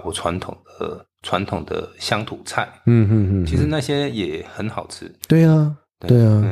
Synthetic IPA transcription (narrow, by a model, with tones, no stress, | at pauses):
kwɔ˨˧˩ʈ͡ʂʰwa˧˥nt̪ʰʊ̰˨˩ŋd̪ə˦ | t͡sʰwa˧˥nt̪ʰʊ˨˩ŋd̪ə̰˦ɕjɑ˥ŋt̪ʰu˨˩t͡sʰa˥˩ɪm̩˥˩˥t͡ɕʰi˧˥ʂɻ̩˧˥na˥˩ɕjɛ˥jɛ˨˩xə˧˥nxɑ˨˩ʊt͡s̩ʰ˥t̪we˥˩ɪɐ˩ | t̪we˥˩ɪɐ˩